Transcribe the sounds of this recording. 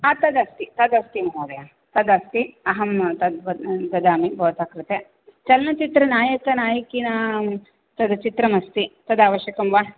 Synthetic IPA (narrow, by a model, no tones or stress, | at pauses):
aːt̪ɐd̪ɐst̪it̪ɐd̪ɐst̪imɐɦoːd̪ɐja | t̪ɐd̪ɐst̪iɐɦɐmt̪ɐd̪bɐd̪ɐd̪aːmibɐːt̪akɾɐt̪e | t͡ʃɐlnɐt͡ʃit̪ɾɐnaːjɐkɐnaːjɐkinɐ | t̪ɐd̪ɐt͡ʃit̪ɾɐmɐst̪it̪ɐd̪aːʋɐʃjɐkɐmʋa